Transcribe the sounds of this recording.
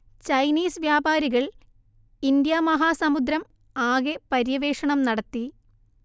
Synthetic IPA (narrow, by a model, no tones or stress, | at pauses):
t͡ɕɐjniːsʋjaːbaːɾiɣɐɭ | ind̪jamɐɦaːsɐmud̪ɾɐm | aːɣepɐɾjɐʋe̞ːʂɐɳɐmnɐɽɐt̪ːi